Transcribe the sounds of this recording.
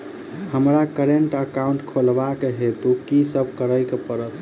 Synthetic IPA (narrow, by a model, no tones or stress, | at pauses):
həmɾakəɾeɳʈəkaũɳʈkʰolbakeɦet̪ukisəb̚ʱkəɾəjkepəɾət̪ʰ